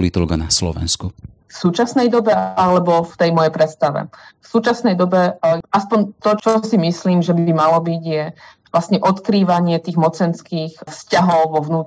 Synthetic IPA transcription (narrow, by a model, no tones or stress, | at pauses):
lit̪ɔlɡanaslɔ̰ʋɛ̰nsku | fsuːt͡ʃasnɛjd̪ɔbɛalɛbɔft̪ɛjmɔjɛjpɾɛt̪st̪aʋɛ̰fsuːt͡ʃasnɛjd̪ɔbɛʔaspɔɲt̪ɔt͡ʃɔsimisliːmʒɛbimalɔbiɟjɛ | ʋlast̪ɲɛʔɔt̪kɾiːʋaɲɪɛt̪iːɣmɔt͡sɛnskiːxfscaɦɔʊʋɔʋnuːt̪